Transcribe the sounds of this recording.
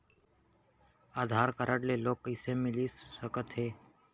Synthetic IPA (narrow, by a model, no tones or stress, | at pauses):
aːd̪ʱaːɾkəɾʔəɽleloːkɪsemɪliswəkət̪ɦeː